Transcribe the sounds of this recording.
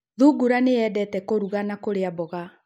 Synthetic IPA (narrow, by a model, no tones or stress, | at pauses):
ðuɡuɾaneɛdɛtɛkoɾuɣanakoɾeabɔɣa